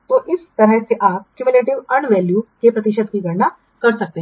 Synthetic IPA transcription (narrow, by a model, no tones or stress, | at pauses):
t̪oːʔɪst̪ɐɾəɦseʔaːp̚kjuʋɪleːʈɪʋɐ̃ɳʋɛːljukepɾɐt̪ɪʃəd̪̚kiɡʱɐɾna | kɐɾsɐk̚t̪eɦ